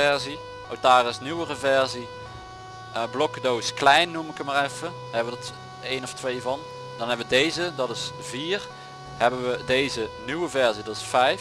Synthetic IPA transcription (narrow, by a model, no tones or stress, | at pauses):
ɛɹzi | ʔowtaːrɪsnywərəvɛɹzi | blɔkdowsklɛjnːumɪkəmarɛfə | hɛbəʋədɑt | ejnɔftʋejvɑn | dɑnɦɛbəʋədejzədɑtɪsv̥iːr | hɛbənʋədejzənyʋəvɛɹzidɑtɪsfɛj